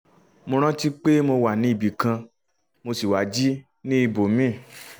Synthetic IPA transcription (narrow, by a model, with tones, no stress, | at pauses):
mõ˧ɾ̃ã˦ti˦k͡pe˦mo˧wa˨nĩ˨˦i˨bi˨kã˧ | mo˧si˨wa˨˦d͡ʒi˦ | nĩ˦i˧˨bo˨mĩ˦˨